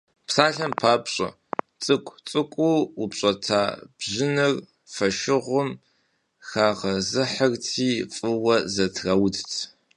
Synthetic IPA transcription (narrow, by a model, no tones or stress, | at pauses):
psaːɬɐmpʰaːpɕʼɐ̰ | t͡sʼɨkʷʼt͡sʼɨkʷʼuupɕʼɐtʰaːb̥ʑɪnɨr | fɐʃɪʁʷʊm | xaːʁɐzɨħərtʰiːfʼɨwɐzɐtʰrɐwdtʰ